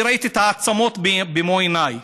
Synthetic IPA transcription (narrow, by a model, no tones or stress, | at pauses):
ɾɐjt̪it̪ʰaːt̪sɐmoːt̪ʰbbimoːinaːj